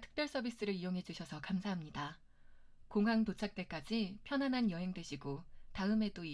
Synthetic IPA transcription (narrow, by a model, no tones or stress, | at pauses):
tʰɯ̥k̚p͈jʌɭs͈ʌbis͈ɯɾɯɾijoŋɦe̞d͡ʑuɕʰʌsʰʌkamsʰaɦamɲida | koŋɦaŋtot͡ɕʰak̚t͈e̞k͈ad͡ʑipʰjʌnɦanɦanjʌɦe̞ŋdwe̞ɕʰiɡotaɯme̞doi